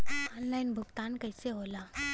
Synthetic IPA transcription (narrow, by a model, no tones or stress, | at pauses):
ɔːnlaːɪnbʱʊɡt̪aːnkɐːseɦoːlaː